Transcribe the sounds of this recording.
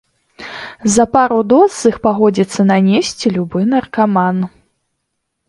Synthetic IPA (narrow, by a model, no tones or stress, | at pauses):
zɐpaɾud̪ɔɨxpaɣɔd͡zʲit̪sːɐnanʲesʲt͡sʲilʲubɨnɐrkaman